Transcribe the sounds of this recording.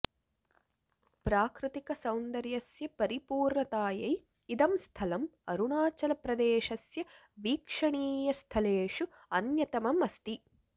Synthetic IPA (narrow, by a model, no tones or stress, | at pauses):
pɾaːkɾɪt̪ikɐsɐwnd̪ɐɾjɐsjɐpɐɾipuːɾɳɐt̪aːjɐj | id̪ɐmst̪ʰɐlɐmɐɾuɳaːt͡ʃɐlɐpɾɐd̪eːʃɐsjɐ | ʋiːkʂɐɳiːjɐst̪ʰɐleːʂu | ɐnjɐt̪ɐmɐmɐst̪i